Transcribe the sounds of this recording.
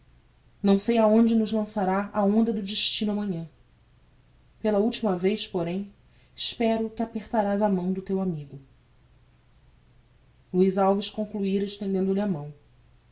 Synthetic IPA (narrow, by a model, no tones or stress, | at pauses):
nɐ̃w̃sejaõd͡ʒɪnʊzlɐ̃saɾaaõnd̪ɐd̪ʊd͡ʒɪʃt͡ʃĩnʊɐmɐ̃ɲɐ̃ | pelɐuwt͡ʃimɐvejspoɾẽj̃ | ɪʃpɛɾʊkɪapeχt̪aɾazɐmɐ̃w̃d̪ʊt̪ewamiɡʊ | luizawviʃkõŋkluiɾɐeʃt̪ẽnd̪ẽnd̪ʊlɪamɐ̃w̃